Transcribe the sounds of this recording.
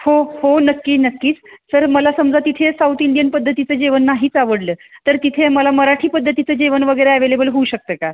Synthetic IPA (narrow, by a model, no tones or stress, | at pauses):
hohonəkːiːnəkːiːt͡st̪əɾməlasəmd͡zat̪it̪ʰesaut̪iɳɖijənpəd̪ʱːət̪it͡səd͡ʑeʋənːaɦiːt͡saʋəɽləːt̪əɾt̪it̪ʰeməlaməɾaʈʰiːpəd̪ʱːət̪it͡səd͡ʑeʋənʋəɡəjɾeæʋelebəlɦouɕək̚t̪əːka